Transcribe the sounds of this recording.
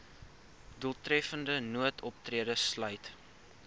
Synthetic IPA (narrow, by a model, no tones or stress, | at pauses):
duəlˠtrɛfəndənuətʰɔp̚triədəslœɥt